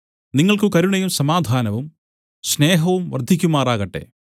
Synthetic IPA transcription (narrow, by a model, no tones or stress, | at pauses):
niŋːɐɭkɨkɐɾuɳɐjumsɐmaːd̪ʱaːnɐʋum | ɕne̞ːɦɐʋumʋɐrd̪ʱikʲːumaːraːɣɐʈːe̞̰